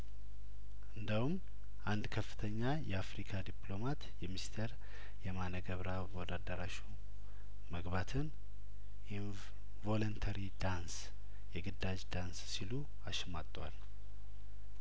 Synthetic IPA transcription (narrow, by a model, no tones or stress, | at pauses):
ʔɨnd̪əhum | ʔand̪kʰəfːɨ̥t̪ʰəɲːajɛafɾikʰad̪iplo̞mat̪jɛmist̪ʰeɾ | jɛmanəɡəβɾaɡɔd̪ad̪əɾaʃu | məɡbat̪ʰɨn | ʔi | vo̞lont̪ʰaɾid̪ans | jɛɡɨd̪ad͡ʒd̪ansːilu | aʃmat̪ʼːwa̰l